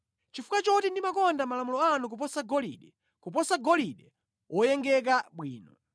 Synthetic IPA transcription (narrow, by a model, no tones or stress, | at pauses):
t͡ʃifu̥kat͡ʃɔtindimakɔndamalamulɔanuk̬up̬ɔsaɡɔlḭɗɛ | kupɔsaɡɔliɗɛ | wʔɔjɛŋɡɛk̬aɓwiːnɔ̰